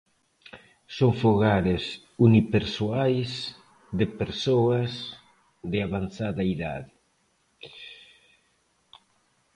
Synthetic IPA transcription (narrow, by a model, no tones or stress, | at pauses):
soŋfoɣaɾes | unipeɾsuajs | d̪epeɾsoaz | ðeaβanθaðaiða̰ðe